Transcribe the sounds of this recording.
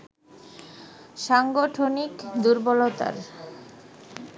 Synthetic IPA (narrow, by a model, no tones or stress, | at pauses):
ʃaŋɡoʈʰonikd̪uɾbolot̪a̰ɾ